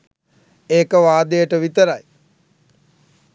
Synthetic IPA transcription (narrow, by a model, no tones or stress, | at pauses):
eːkəʋaːd̪ejəʈəʋit̪əɾaj